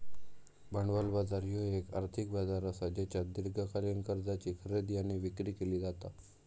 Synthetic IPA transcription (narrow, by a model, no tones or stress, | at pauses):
bəɳɖʋalbad͡zaɾjoeka̰ɾt̪ʰik̚bad͡zaɾəsad͡ʑat͡ɕjad̪iɾɡʱəkaljənkəɾd͡zat͡ɕiːkʰəɾed̪janeʋikɾiːkeliːd͡zat̪a